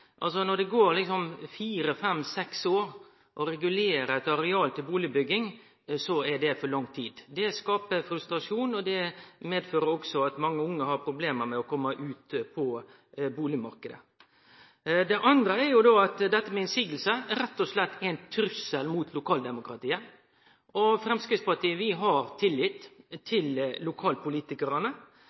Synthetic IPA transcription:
ʔɑ̰ls̬ɔnɔɖ̪ɛɡoːɾlɪksɔmfiːɾəfɛmsɛksoːɾ | ʔɔɾɛɡʉleːɾəɛt̪ɑɾɛɑːlt̪ɪlbuːlɪbʏɡːɪŋ | sɔɛɖɛfɔɾɭɑŋt̪ʰiːd̪d̪ɛskɑːpəfɾʉst̪ɾɑʂuːnɔd̪ɛmeːd̪føːɾəɾɔksɔɑt̪mɑŋːəʊŋːəhɑɾpʰɾʊbleːməɾmɛɔkʰɔmːəʔʉːt̪pʰɔ | buːlɪmɑɾkəd̪ə̰ | d̪ɛʔɑnd̪ɾəæɾjʊd̪oːɑt̪d̪ɛt̪ːəmɛɪnsiːɡəl̩səæɾɛt̪ːɔslɛt̪ːæɪnt̪ʰɾʉsəlmuːt̪ʰlʊkʰɑːld̪ɛmʊkɾɑt̪iːə | ɔfɾɛmskɾɪt̪spɑʈʰiːəʋɪɦɑɾt̪ʰɪlːɪt̪ːt̪ʰːɪllʊkʰɑːlpʰʊliːt̪ɪkəɾɑnə

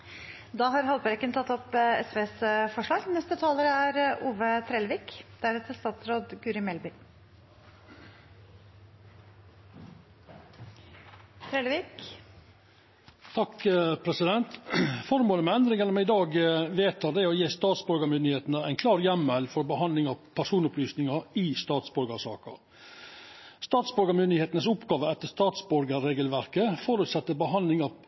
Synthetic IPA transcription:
d̪ɑːɦɑɾhɑlpæɾkənt̪ʰɑt̪ːɔpɛ̰sʋeːsfɔʂɭɑːɡnɛst̪ət̪ʰɑːləɾəæɾʔuːʋət̪ʰɾeːlʋiːkd̪̥æɾhɛt̪ʰəst̪ɑːt̪sɾoːd̪ɡʉːɾɪmɛlbɪ | t̪ʰɾeːlʋiːk | t̪ʰɑkpʰɾɛsɪd̪ɛnt̪fɔɾmoːləmɛænd̪ɾɪŋənəmɛɪd̪ɑːɡʋeːt̪ʰɑd̪ɛɔjeːst̪ɑːt̪sbɔɾɡəmʏnd̪ɪheːt̪nəæɪnkʰlɑːɾjɛmːɛlfɔɾbəhɑnd̪lɪŋɑpʰæʂuːnʊplyːsnɪŋɑiːst̪ɑːt̪sbɔɾɡəʂɑ̰ːkɑ̰ | st̪ɑːt̪sbɔɾɡəmʏnd̪ɪheːt̪nəsʊpɡɑːʋəɛt̪ːəʂt̪ɑːt̪sbɔɾɡəɾeːɡəlʋæɾkəfɔɾʉt̪sɛt̪ːəbəɦɑnlɪŋɑ

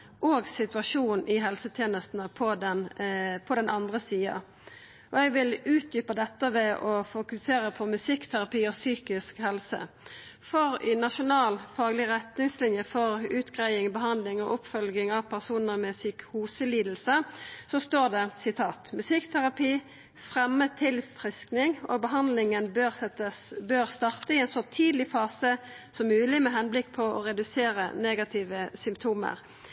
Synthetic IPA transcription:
ʔoːɡsɪt̪ʉɑʂuːnʔɪɦɛlsət̪ʰjeːnəst̪nəpʰɔd̪ɛnpʰɔd̪ɛnɑnd̪ʁəsiːɑ̰ | ʔɔɛɡʋɪlʉːt̪̚d̪yːpəd̪ɛt̪ːəʋɛʔɔfʊkʉseːʁəpʰɔmʉsɪkt̪ʰæɾɑpiːɔsyːkɪskhɛlsə̰ | fɔʁɪnɑʃʊnɑːlfɑːɡlɪʁɛt̪nɪŋslɪnjəfɔʁʉːt̪ɡʁæɪɪŋbəɦɑnd̪lɪŋɔʔʊpfœlɡɪŋɑʋpʰæʁsuːnəʁmɛsykhuːsəliːd̪l̩səsɔst̪oːʁd̪ɛsɪt̪ʰɑːt̪mʉsɪkt̪ʰæʁɑpiː | fʁɛmːət̪ʰɪlfʁɪsknɪŋɔ̰ːɡ̚bəɦɑnd̪lɪŋənbøsəbøːʁst̪ɑʁt̪əɪɛnsɔt̪ʰiːd̪lɪfɑːsəsɔmːʉːlɪmɛɦɛnblɪkːpʰɔɔʁɛd̪ʉseːʁə̰neːɡɑt̪ʰiːʋəsʏmpt̪ʰuːmə̰ʁ

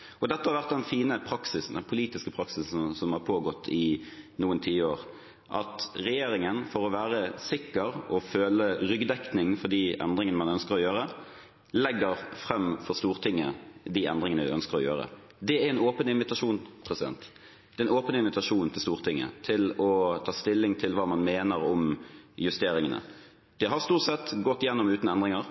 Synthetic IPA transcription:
ɔd̪ɛt̪ːəhɑɾʋæʁt̪̚d̪ɛnfiːnəpʰɾɑksɪsn̩d̪ɛnpʰʊliːt̪ɪskəpʰɾɑksɪs̩sɔmhɑʁpʰoːɡɔt̪ʰːɪnuːənt̪ʰiːəoːʁ | ʔɑt̪ʁɛjeːɾɪŋənfɔɾɔʋæːʁəsɪkːəɾɔføːləʁʏɡd̪ɛknɪŋfɔʁd̪iːʔɛ̰nd̪ʁɪŋənəmɑnœnskəɾɔjøːɾə | lɛɡːəɾfʁɛmːfɔʁst̪uːʁt̪ʰɪŋːəd̪iɛ̰nd̪ʁɪŋənəd̪ɪœnskəɾɔjø̰ːɾə̰ | d̪ɛæɾɛnoːpənɪnʋɪt̪ɑʂuːnpʰʁɛsɪd̪ɛ̰nt̪ | d̪̥ɛɛnoːpənɪnʋɪt̪ɑʂuːnt̪ʰɪlst̪uːʁt̪ʰɪŋːə̰t̪ʰɪlɔt̪ʰɑːst̪ɪlːɪŋt̪ʰɪlʋɑːmɑnmeːnəɾɔmjʉst̪eːɾɪŋənə̰ | d̪̥ɛɦɑʁst̪uːʁt̪sɛt̪ːɡɔt̪ːɪjɛnːɔmʉːt̪nəɛnd̪ʁɪŋəɾ

